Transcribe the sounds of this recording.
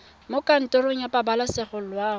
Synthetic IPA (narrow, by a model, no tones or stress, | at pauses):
mokʼan̩tʼʊroŋ̩japʼabalasɪχʊl̩lwaː